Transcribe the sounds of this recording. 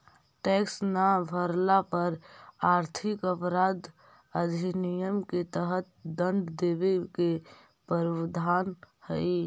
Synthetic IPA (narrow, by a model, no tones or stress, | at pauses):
ʈeːksnabʱəɾlapəɾaːɾt̪ʰɪkəpɾaːd̪ | əd̪ʱinijəmket̪əɦət̪̚d̪ə̃nd̪d̪ebeke | pəɾwd̪ʱaːnhəi